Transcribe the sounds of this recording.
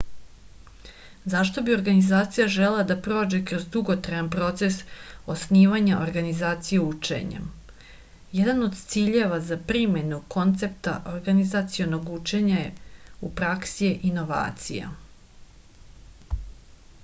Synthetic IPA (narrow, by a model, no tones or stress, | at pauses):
zaʃt̪o̞bio̞ɾɡanizaːt̪sijaʒelelad̪apɾo̞ːd͡ʒekɾo̞zd̪uɡo̞t̪ɾajanpɾo̞t̪se̞sosniːʋaɲaʔoɾɡanizaːt̪sijeut͡ʃḛɲḛm | jed̪ano̞d̪t̪siːʎe̞ʋazapɾime̞nukʰo̞nt̪se̞p̚t̪a̰ʔoɾɡanizat̪sijo̞no̞ɡut͡ʃe̞ɲajeupɾaksieʔino̞ʋa̰ːt̪sija̰